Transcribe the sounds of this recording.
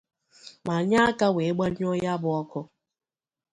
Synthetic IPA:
ma˨ɲa˦ka˦we˨˦ɡ͡ba˦ɲ˦o˦jja˦bʊ˦ɔ˦kʊ˦

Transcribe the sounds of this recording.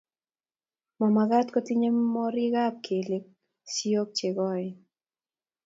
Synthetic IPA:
mɔ˨ma˨ɡa˦tkɔ˦ti˦ɲe˦mɔ˦ɾi˦ɡa˦p̚kʰe˨le˦k̚ | si˦o˦k̚t͡ʃe˨ɡɔ˦ɪ

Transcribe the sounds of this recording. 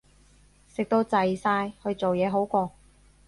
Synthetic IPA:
sɪ˨k̚t̪o˧wt͡sɐ˨jsaː˧jhɵ˧ɥt͡so˨wjɛː˨˧ɦo˨˥wkʷɔː˧

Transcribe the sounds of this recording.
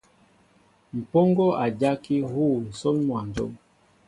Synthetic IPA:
m̩˨pɔ˦ŋɡɔ˦ʔa˨d͡ʒa˦ki˦hu˦˨n̩˨sɔ˦ŋmwa˨nd͡ʒɔ̰˦m

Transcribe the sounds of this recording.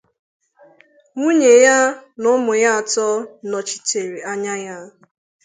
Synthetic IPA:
ŋu˦ɲe˨ja˦nʊ˦mʊ˨ja˦a˨tɔ˦nɔ˨t͡ʃi̥˨te˨ɾi˨a˦ɲa˦ja˦

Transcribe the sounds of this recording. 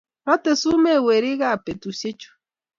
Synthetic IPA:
nɔ˦te˨su˦me˦˨we˨ɾi˦ɣa˦a˨pe˨tu˨se˦t͡ʃu̥˦

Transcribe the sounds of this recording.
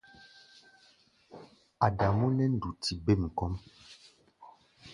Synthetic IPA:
a˨da˨mu˦nɛ˦n̩˦du˨tʰi˨be˦˨m̩˨kɔ˦m

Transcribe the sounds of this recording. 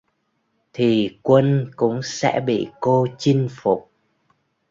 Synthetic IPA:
t̪ʰi˨˩kwə˧nkʊ̰˧˥ŋ͡msɛ̰˧˥ɓḭ˧˨ko˧t͡ɕi˧ŋfʊ˨˩k͡p̚

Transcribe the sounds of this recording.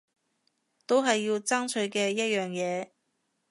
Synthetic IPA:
t̪o˥wɦɐ˨jːi˧wt͡sɐ˥ŋt͡ʃʰɵ˨˧ɥkɛː˧jɐ˥t̚jœː˨ŋjɛː˨˧

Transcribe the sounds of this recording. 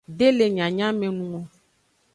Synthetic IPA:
ɖe˦le˨ɲã˨ɲã˦mẽ˨nũ˨ɔ̃˨

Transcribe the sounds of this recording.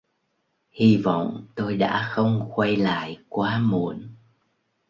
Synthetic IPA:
hi˧və̰˧˨wŋ͡mt̪o˧jɗa̰ː˧˥xə˧wŋ͡mxwa˧jla̰ː˧˨jkwaː˨˦mṵ˧˨ən

